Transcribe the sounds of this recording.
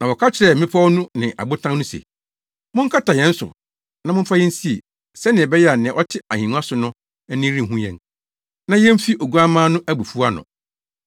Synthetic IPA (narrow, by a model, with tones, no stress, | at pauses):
nã˨wɔ˨kʰa˦t͡ɕʰɪ˨ɾɛ˨m̩˨mɪ̃˦pʰa˦ɔ˦nũ˦nɪ̃˨ʔa̰˨bʊ˦tʰã˦nnʊ̃˦sḛ˨ | mʊ̃˦ŋ̩˦kʰa˦tʰa˨jɛ̃˨˦n̩˦sʊ̰˨ | nã˨˦mʊ̃˦m̩˦fa˦jɛ˦n̩˦si˦ḛ˨ | sɛ˦nɪ̃˨ɛ˨bɛ˦jɛ˦a˨nɪ̃˨ʔɔ˦tʰɪ˦a˨hĩ˨nũ˦a˦sʊ˨nʊ̃˦ | ɛ˦nɪ̃˦ɾĩ˦˨ɦũ˦jɛ̰̃˨n | nã˦jɛ̃˦m̩˦fi˦ʔo˨ɡu˦a˦mã˦nʊ̃˦ʔæ˦bu˨fu˦a˦nʊ̰̃˨